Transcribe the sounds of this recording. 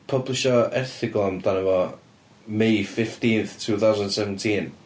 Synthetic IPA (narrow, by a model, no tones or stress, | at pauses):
pʰəblɪʃɔɛrθɪɡlˠamdanəvɔ | mejfɪftiːnθtʰuːθawzəndnsɛvən̩tʰiːn